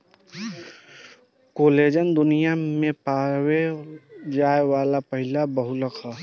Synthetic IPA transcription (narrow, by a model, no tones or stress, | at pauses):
koːleːd͡ʒənd̪ʊnijamẽpaːwe | d͡ʒaːewaːlapəɦɪlabəɦʊləkʰa